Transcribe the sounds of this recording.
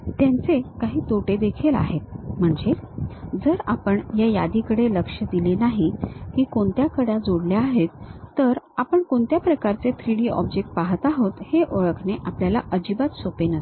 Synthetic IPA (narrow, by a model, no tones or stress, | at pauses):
t̪jant͡sekaɦiːt̪oʈed̪ekʰela̰ɦet̪̚m̤əɳd͡zed͡zəɾapəɳjajad̪ikəɽeləkʂəd̪ilenaɦikiːkoɳt̪jakəɽjad͡zoɽleaɦet̪ːəɾapəɳkoɳt̪japɾəkaɾt͡set̪ʰɾiɽiːɔ̰bd͡ʑek̚ʈ̚paɦət̪aɦot̪heʔoɭəkʰneʔapljalaʔəd͡ʑibat̪sopenəs